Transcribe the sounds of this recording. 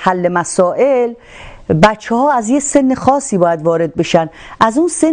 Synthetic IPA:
hælːe̞mæsɒːʔel | bæt͡ʃʰːehɒːæzjese̞nːexɒːsiːbɒːjæd̪vɒːɾe̞d̪̚be̞ʃænʔæzunse

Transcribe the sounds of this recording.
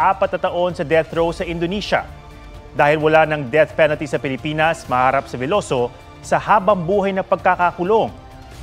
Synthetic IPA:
ʔaːpɐt̪̚nɐt̪ɐʔo̞nsɐd̪ɛθɾowsɐʔɪnd̪oniːʃɐ̰ | d̪aːhɪlwɐlanɐŋd̪ɛθpɛnɐlt̪isɐpɪlɪpiːnɐsmɐhaːɾɐp̚sɐvɛlo̞so̞ | sɐhaːbɐŋbuːɦɐjnɐpɐɡ̚kakakʊloŋ

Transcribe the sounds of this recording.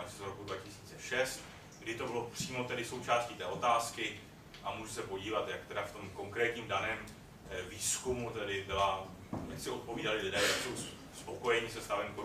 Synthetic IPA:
aʃɛzɾo̞kudvacɪsi̥ːt͡sɛʃɛst̪ | ɡdɪt̪o̞bɪlo̞pr̥iːmo̞t̪ɛdɪso̞wt͡ʃaːscit̪ɛːot̪aːskɪ | ʔamuːʒɛsɛpo̞ɟiːvat̪jak̚t̪ɛdaft̪o̞mko̞ŋkɾɛːt̪ɲiːmdanɛːm | viːskumut̪ɛdɪbɪla | ja̰ksɪʔo̞t̪̚po̞viːdalɪlɪdɛːjakso̞ws | spo̞ko̞jɛɲɪsɛst̪avɛnko

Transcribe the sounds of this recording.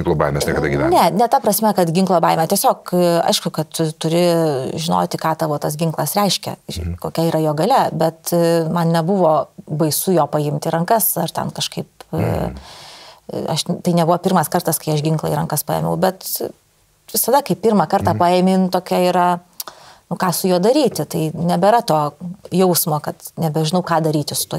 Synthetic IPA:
ɪŋklˠoːbɑ̰ɪmʲɛɐsnʲiɛkɐdɐɡʲɪʋʲænʲɛnʲɛt̪ɐpɾɐsʲmʲɛkɐt̪ɡʲɪŋklˠoːbɑːɪmʲɛt̪ʲiɛsʲoːkɐ̰ɪʃkʊkɐt̪t̪ʊɾʲɪʒʲɪno̰ːt̪ʲɪkɑːt̪ɐʋoːt̪ɐsɡʲɪŋklˠɐsɾʲɛɪʃʲkʲɛ̰koːkʲɛiːɾɐjoːɡɐlʲɛbʲɛt̪mɐnnʲɛbʊʋoːbɐɪsujoːpɐɪmʲt̪ʲɪɾɐŋkɐsɐrt̪ʲɛ̰nkɐʃkɐɪp̚ | ɐʃt̪ɐɪnʲɛbʊʋoːpʲɪrmɐskɐrt̪ɐskɐɪɐʃɡʲɪŋklˠɐ̰iɾɐŋkɐspɑːjɛ̰ːmʲɛ̰ʊbʲɛt̪ | ʋʲɪsɐd̪ɐkɐɪpʲirmɑkɐrt̪ɑːpɑːeːmʲɪːnt̪oːkʲɛiːɾɐ | nʊkɑːsʊjoːd̪ɐɾʲiːt̪ʲɪt̪ɐɪnʲɛbʲɛɾɐt̪oːjɛʊsmoːkɐt̪nʲɛbʲɛʒʲɪnɐʊkɑːd̪ɐɾʲiːt̪ʲɪsʊ̥t̪uɔ

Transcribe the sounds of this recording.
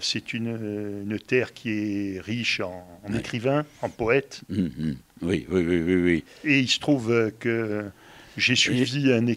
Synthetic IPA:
sɛt̪ynːnt̪ɛʁkʲʰiɛʁiʃɑ̃ːnekχivɛ̃ɑ̃pɔɛt̪ | wḭwiwiwiwi | eilsə̥t̪χuvøkə | ʒesɥiviɛ̃ne

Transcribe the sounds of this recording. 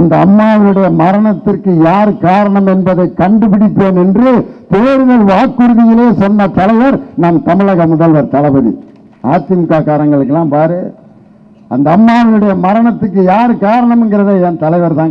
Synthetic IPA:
ɐnd̪ɐːmːaːʋɐnɯɽɐjɐmɐɾɐɳɐt̪ːɪrkːɯjaːɾkaːɾɐɳɐmɛnbɐðɐɪkːɐɳɖɯpɪɽɪt̪ːoːnɛndrɯt̪eːɾɯðɐlʋaːkːɯɾɯðɪjɪleːsɔnːɐt̪ɐlɐɪʋɐɾnaːmt̪ɐmɪɭɐɣɐmʊðɐlʋɐɾt̪ɐlɐbɐðḭ | ʔaːt͡ʃ̪ɪmkaːkaːɾɐŋɡɐɭɯkːɛlːãːmpaːɾɯ | ʔɐ̰nd̪ɐːmːaːʋɐlɯɽɐjɐmɐɾɐɳɐt̪ːɯkːɯjaːɾkaːɾɐɳɐmɛnɡɪrɐðeɛnt̪ɐlɐɪʋɐɾt̪aːŋ

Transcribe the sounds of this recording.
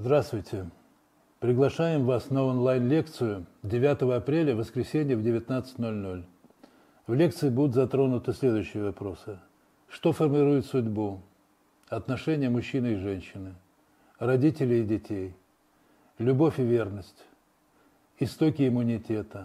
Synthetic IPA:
zd̪ɾast̪vʊjtʲɪ | pɾʲɪɡlˠɐʂajɪmvasnəonlˠajnlʲe̞kt̪sɨjʊdʲɪvʲat̪əvəɐpɾʲelʲəvəskɾʲɪsʲenʲɪjəvdʲɪvʲɪt̪nat̪sɨ̥tʲno̞lʲno̞lʲ | vlʲe̞k̚t̪sɨɪbud̪ʊt̪zɐt̪ɾo̞nʊt̪ɨsʲlʲe̞d̪ʊjʏɕːɪjəvɐpɾo̞sɨ | ʂt̪o̞fərmʲɪɾujɪt̪sʊdʲbu | ɐt̪nɐʂɛnʲɪjəmʊɕːinɨɪʐɛnʲɕːɪnɨ | rɐdʲitʲɪlʲɪːdʲɪtʲej | lʲʊbo̞fʲɪvʲe̞rnəsʲtʲ | ɪst̪o̞kʲɪɪmːʊnʲɪtʲet̪ə

